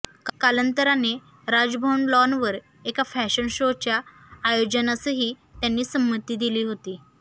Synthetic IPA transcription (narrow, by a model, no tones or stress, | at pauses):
kalənt̪əɾane | ɾad͡zbʱəɳlɔnʋəɾ | ekafɛɕənɕot͡ɕjaː | jod͡ʑənasəɦiː | t̪janːiːsəmːət̪ːiːd̪iliːɦot̪iː